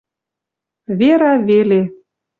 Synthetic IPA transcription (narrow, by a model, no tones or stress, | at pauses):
βeɾɑβele